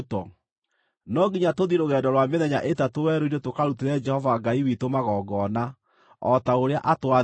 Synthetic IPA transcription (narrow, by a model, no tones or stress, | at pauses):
tɔ | nɔɡiɲatoðiɾoɣɛːndɔɾwameðɛɲaʔetatowɛɾoiɾetokaɾuteɾɛd͡ʒɛhɔvaɡaiwitomaɣɔɡɔna | ɔtaoɾea̰ʔatwa